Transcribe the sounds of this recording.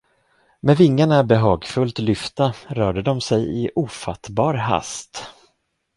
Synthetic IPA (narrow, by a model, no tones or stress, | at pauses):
mɛvɪŋːaɳabɛɦɑːɡfɵlt̪lʏft̪aɾœːɖəd̪ɔmsɛjɪʔuːfat̪bɑːɾɦa̰st̪